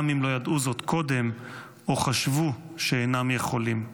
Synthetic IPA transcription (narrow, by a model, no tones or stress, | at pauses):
mimlo̞jad̪ʔuzo̞t̪kʰo̞de̞m | o̞χaʃvu | ʃeenamje̞χo̞lim